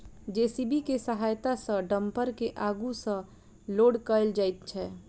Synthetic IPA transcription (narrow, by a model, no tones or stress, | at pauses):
d͡ʒeːsibikesəɦaːjt̪asə̃ɖə̃mpəɾkeʔaɡusə̃ | loːɽkəɪld͡ʒaːjt̪̚t͡ʃʰɛː